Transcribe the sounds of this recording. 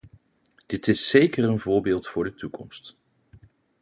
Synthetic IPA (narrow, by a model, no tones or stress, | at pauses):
d̥ɪtɪsːejkərənvʊːɹbɪːlˠtfʊːɹdətukɔ̰mst